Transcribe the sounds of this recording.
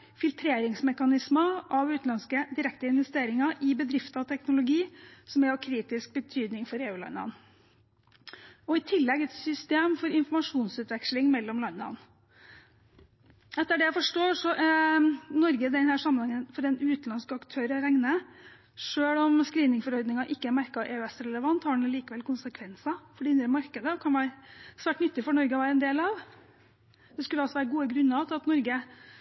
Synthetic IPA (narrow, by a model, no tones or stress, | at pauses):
fɪlt̪ʰɾeːɾɪŋsmɛkɑnɪsməʔɑʋʉːt̪nɑnskəd̪ɪɾɛk̚t̪əɪnʋɛst̪eːɾɪŋɑʔɪbəd̪ɾɪft̪ɑʋt̪ʰɛknʊlʊɡiːsɔmɛɔkʰɾiːt̪ɪsk̚bət̪ʰyːd̪nɪŋfɔɾeːʉːlɑ̰nːɑ̰n | ɔɪt̪ʰɪlːɛɡɛt̪sʏst̪eːmfɔɾɪnfɔɾmɑʂuːnsʉːt̪ʋɛkʂlɪŋmɛlːɔmlɑnːɑ̰n | ɛt̪ːəɖɛjæɪfɔʂʈoːʂɔʔ | nɔɾɡəd̪ɛnhæːʂɑmːənhɑŋːənfɔɾdɛnʉːt̪nɑnskəɑkt̪ʰøːɾəɾæŋnə | ʂøːɭɔmskɾiːnɪŋfɔɾɔɾd̪nɪŋɑʔɪkːəæɾmæɾkɑʔɛɛsɾɛləʋɑnt̪hɑɖɳ̩liːkəʋɛlkʰʊnsəkʰʋɛnsɑfɔɖɛɪnɾəmɑɾkəd̪əkʰɑnʋæːɾəsʋæːʈnʏt̪ːɪfɔɳɔɾɡəɔʋæːɾəɛnd̪eːlɑʋ | d̪̥ɛskʉləɑlsɔʋæːɾəɡuːəɡɾʉnːɑt̪ʰɑt̪nɔɾɡə